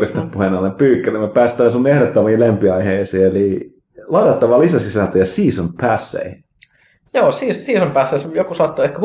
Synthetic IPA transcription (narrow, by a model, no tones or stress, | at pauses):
rist̪eppuhenɑlːempyːkːærimːepæːst̪ˑæːnsunːiehɾot̪ːomiːlempiɑiheisiːeli | lɑidɑt̪ːɑʋɑlisæsisænt̪øjɑsiːsonpʰæsːḛi | joːsiːssiːsompæsːeisejokusɑt̪ːoehkæh